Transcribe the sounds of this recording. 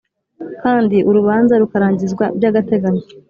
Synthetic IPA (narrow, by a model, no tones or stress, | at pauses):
kaːndiʔuɾuβaːnzaɾukaɾaːɲɟizɡwabɟaːɡate̞ɡaɲo